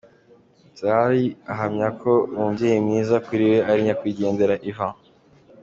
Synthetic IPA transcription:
zaɾiaɦamɲakʰo̞uːɲdijemɲiːzakuɾiwe̞ʔaɾiɲakwiːɟe̞ːndeɾaʔiva

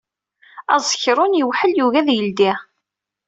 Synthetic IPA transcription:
ɑ̰zˤəçɾˤʊnjəwħəljuʝæðjəld̪i

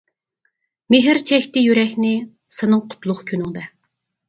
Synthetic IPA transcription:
meɦɪɾt͡ʃʰɛçʲt̪ɪjyɾɛkʲnɪ | sɨnɨŋqʰʊ̥t̪lˠʊχkʲʰønyŋd̪ɛ

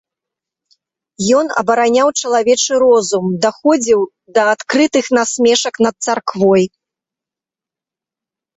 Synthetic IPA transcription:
jɔnɐ̰bɐɾanʲawt͡ʂɐlˠavʲɛt͡ʂɨɾɔzumd̪axɔd͡zʲiw | d̪ɐat̪kɾɨt̪ɨxnasʲmʲɛʂɐknɐt̪̚sarkvɔj

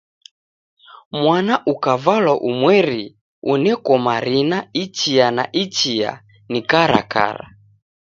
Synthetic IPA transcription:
mwanaʔukavalwaʔumwɛɾi | unɛkɔmaɾinaitianaʔitia̰ | nikaɾa̰ka̰ɾa̰

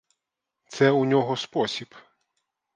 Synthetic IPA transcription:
t̪sɛunʲɔɦɔspɔsʲib

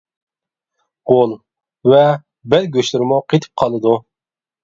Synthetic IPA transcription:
ʁolˠ | vɛ | bɛlɡʲøʃlɪɾmʊqʰet̪ʰɪ̥p̚qʰɑlˠɨd̪u

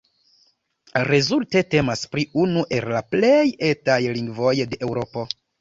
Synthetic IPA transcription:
ɾe̞zulte̞te̞maspɾiunuʔe̞llaple̞je̞tajliŋɡvo̞jde̞ʔewɾo̞po̞

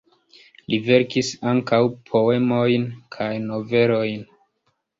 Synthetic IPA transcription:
live̞ɾkisaŋkawpʰo̞e̞mo̞jnkʰajno̞ve̞ɾo̞jn

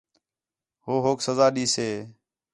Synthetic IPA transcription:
ɦoːɦoːksəzaːɗiːseː

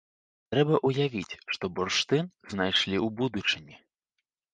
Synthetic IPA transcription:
t̪ɾɛbɐʔujavʲit͡sʲʂt̪ɔburʂt̪ɨnznajʂlʲiwbud̪ut͡ʂɨnʲi

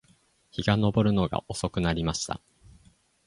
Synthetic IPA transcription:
çiɡano̞bo̞ɾɯ̟no̞ɡa̰ʔo̞so̞kɯ̟naɾʲimaɕi̥t̪a̰

